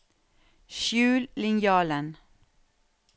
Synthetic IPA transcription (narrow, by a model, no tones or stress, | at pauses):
ʃjʉːllɪŋjɑːlən